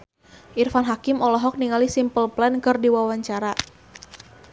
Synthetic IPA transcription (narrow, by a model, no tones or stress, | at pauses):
ʔirfanɦakɪmɔlɔɦɔk̚niŋalisimpəlplɛnkɨrdiwawaɲt͡ʃaɾa